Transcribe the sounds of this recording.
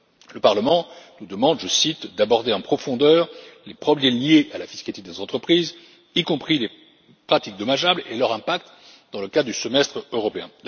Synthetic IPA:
ləpaʁləmɑ̃nud̪əmɑ̃d̪ʒəsit̪d̪abɔʁd̪eɑ̃pχɔfɔ̃d̪œʁlepχɔbljɛljeʔalafiskalit̪ed̪ezɑ̃t̪χəpχiz | ikɔ̃pχile | pχat̪ik̚d̪ɔmaʒablelœʁɛ̃pak̚t̪ | d̪ɑ̃ləkad̪d̪ysəmɛst̪χøʁɔpeɛ̃

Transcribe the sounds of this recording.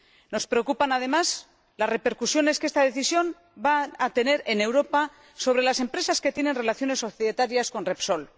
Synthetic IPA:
no̞spɾe̞okupanað̞e̞maz | lare̞pe̞ɾkusjo̞ne̞skeest̪að̞e̞θisjo̞m | baːt̪e̞ne̞ɾe̞ne̞wɾo̞pa | so̞β̞ɾe̞lase̞mpɾe̞saske̞t̪je̞ne̞nre̞laθjo̞ne̞soθiðet̪aɾjasko̞nrepso̞l

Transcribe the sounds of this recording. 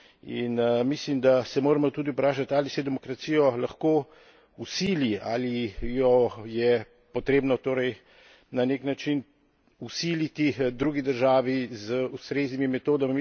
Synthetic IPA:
ḭnmislimd̪asɛmoːɾɛmɔt̪uːd̪iupɾaːʃat̪aːlisɛjɛd̪ɛmɔkɾat̪sijɔlaxkoː | usilia̰ːlijɔjɛ | pɔt̪ɾeːbnɔt̪oːɾɛj | naneknat͡ʃin | usilit̪id̪ɾuːɡid̪əɾʒaːʋizəust̪ɾeːznimimɛt̪oːd̪amim

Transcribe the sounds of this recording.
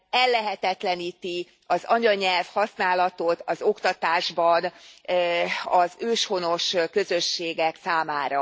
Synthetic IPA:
ɛlːɛɦɛt̪ɛt̪lɛniːt̪i | ɒzɒɲɒɲɛlfhɒsnaːlɒt̪ot̪ɒzokt̪ɒt̪aːʒbɒn | ɒzøːʃho̞no̞ʃkøzø̞ʃːeːɡɛksaːmaːɾɒ

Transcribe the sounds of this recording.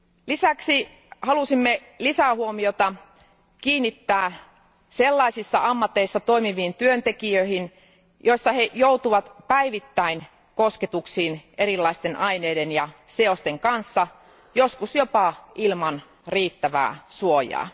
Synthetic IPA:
lisæksi | hɑlusimːe | lisæhuomiot̪ɑ | kiːnːit̪ːæː | selːɑisisːɑɑmːɑt̪ːeisːɑt̪oimiʋiːnt̪yønt̪ekiøihin | joisːɑhejout̪uʋɑt̪pæiʋit̪ːæin | kosket̪uksiːneɾilːɑist̪enʔɑineːdenjɑseost̪eŋkɑnsːɑ | joskusjopɑilmɑn | riːt̪ːæʋæ̰ːsuojɑ̰ː

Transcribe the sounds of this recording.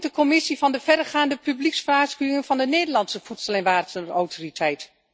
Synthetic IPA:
dəkɔmɪsivɑndəvɛdəɹχaːndəpybliksfraːskyːɪŋənvɑndəneːdəlɑnsəfutsəlɛnʋaːrtəowtoritʰɛjt

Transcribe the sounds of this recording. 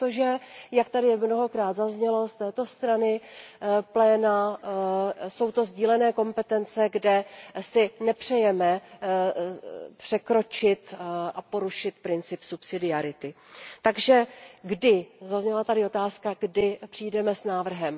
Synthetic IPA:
t̪oʒɛjakt̪adɪmno̞ɦo̞kɾaːd̪zazɲɛlo̞st̪ɛːt̪o̞st̪ɾanɪ | plɛːna | so̞wt̪o̞zɟiːlɛnɛːko̞mpɛt̪ɛnt͡sɛɡdɛsɪnɛpr̝̥ɛjɛmɛ | pr̝̥ɛkɾo̞t͡ʃɪt̪ʔapo̞ɾuʃɪt̪pɾɪnt͡sɪpsupsɪdɪaɾɪt̪ɪt̪aɡʒɛɡdɪzazɲɛlat̪adɪo̞t̪aːskaɡdɪpr̥ijdɛmɛsnaːvr̩ɦɛm

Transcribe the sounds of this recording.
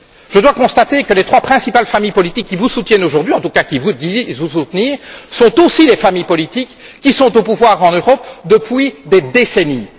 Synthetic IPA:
ʒ̥əd̪wakɔ̃st̪at̪ekəlet̪χwapχɛ̃sipalfamijpɔlit̪ikʲːivusut̪jɛnoʒuʁd̪ɥiɑ̃t̪ukakʲivud̪ivusut̪niːʁsɔ̃t̪osilefamijpɔlit̪ikː | isɔ̃t̪opuvwaʁɑ̃nøʁɔpd̪əpɥid̪ed̪eseni

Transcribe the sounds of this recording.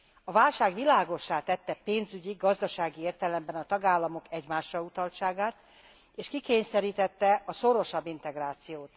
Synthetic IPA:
ɒvaːlʃaːɡʋilaːɡo̞ʃːaːt̪ɛt̪ːɛpeːnzyɟiɡɒzd̪ɒʃaːɡieːrt̪ɛlɛmbɛnɒt̪ɒɡaːlːɒmo̞kɛɟmaːʃrɒut̪ɒlt͡ʃaːɡaːt̪ | eːʃkikeːɲsɛɾiːt̪ɛt̪ːɛɒso̞ɾo̞ʃɒbːint̪ɛɡraːt̪sijoːt̪

